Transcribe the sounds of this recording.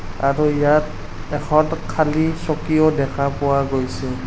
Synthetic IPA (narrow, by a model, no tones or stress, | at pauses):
aɹuijat | ɛkʰɔtkʰalisɔkijɔdɛkʰapʊwaɡojsɛ